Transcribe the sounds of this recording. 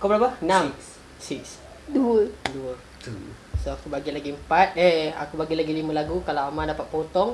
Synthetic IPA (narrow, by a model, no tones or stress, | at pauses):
kabəlapanam | siks | duəduə | soakubaɡilaɡiəmpat̪̚ɛa̰kubaɡilaɡilimə̃laɡukalaamadapat̪̚pot̪ɔŋ